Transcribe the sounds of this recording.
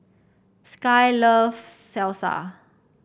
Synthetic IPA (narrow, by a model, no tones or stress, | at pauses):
skajlɔvsɛlsa̰